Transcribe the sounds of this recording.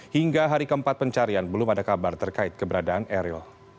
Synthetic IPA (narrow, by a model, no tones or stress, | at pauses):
hiŋɡaɦaɾikəəmpat̪̚pəɲt͡ʃaɾianbəlʊmadakabart̪ərkaɪt̪̚kəbəɾadaːnɛɾil